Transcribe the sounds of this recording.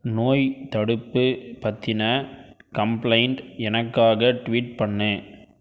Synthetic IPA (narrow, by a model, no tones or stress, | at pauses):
noːjt̪ɐɽɯpːɯpɐt̪ːɪnɐkɐmplɐɪɳʈɛnɐkːaːɣɐʈʋiːʈ̚pɐɳːɯ